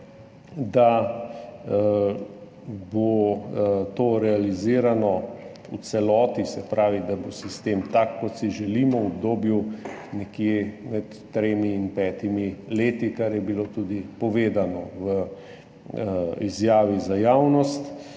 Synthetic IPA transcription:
d̪a | bo | t̪oːɾɛaliziːɾanɔ | ut͡ssɛlɔːt̪isɛpɾaːʋid̪abosist̪eːmt̪akːɔt̪siʒɛliːmɔɔb̚d̪oːbju | nɛkjemɛt̪ːɾeːmiːnpɛːt̪imileːt̪ikaɾjɛbilot̪uːd̪ipɔʋeːd̪anɔwə | izjaːʋizajaːwnɔst̪

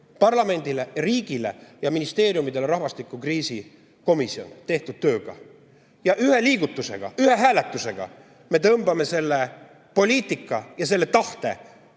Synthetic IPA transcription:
pɑrlɑme̞nd̪̥ileriːɡ̥ile̞̰jɑminist̪e̞ːɾjumid̪e̞leɾɑɦvɑst̪ikˑːukriːsi | ko̞misio̞̰nt̪e̞ht̪ud̪̥̚t̪ø̞ːɡ̥ɑ̰ | jɑʔyheliːɡ̥ut̪ːˑuse̞̰ɡ̥ɑ̰yhe̞ɦæːle̞t̪ːˑuse̞ɡ̥ɑ̰ | me̞t̪ɤmb̥ɑme̞se̞lːe̞ | po̞lʲiːt̪ˑikːˑɑjɑse̞lːet̪ɑht̪e̞̰

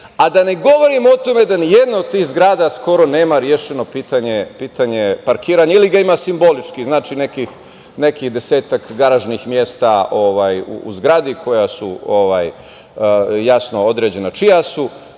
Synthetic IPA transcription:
ad̪ane̞ɡo̞ʋo̞ɾimo̞t̪o̞me̞d̪anijed̪naod̪̚t̪iːxzɡɾaːd̪asko̞ɾo̞neːmaɾjeʃeno̞piːt̪aɲepiːt̪aɲe̞paɾkiːɾaːɲailiɡaimasimbo̞lit͡ʂkiznaːt͡ʃine̞kix | ne̞kixd̪e̞se̞ːt̪akɡaɾaʒnixmje̞st̪ao̞ʋaːjṵṵzɡɾad̪ikʰo̞jasṵoʋa̰ːj | jasno̞o̞d̪ɾe̞ːd͡ʑe̞nat͡ʃijasu

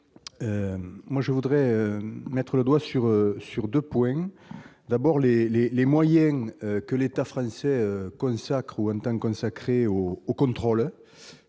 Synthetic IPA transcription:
ømwaʒəvud̪ʁɛømɛt̪χələd̪wasyʁøsyʁd̪øpwɛ̃d̪abɔʁlelelemwajɛ̃økəlet̪afχɑ̃sɛøkɔ̃sakχuɑ̃nt̪ɑ̃kɔ̃sakχeoːkɔ̃nt̪χɔl

